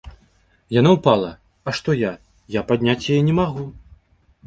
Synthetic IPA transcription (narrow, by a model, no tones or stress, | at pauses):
janawpalˠɐ | ɐʂt̪ɔja | japad̪ʲnʲat͡sʲjajɛnʲɛmaɣu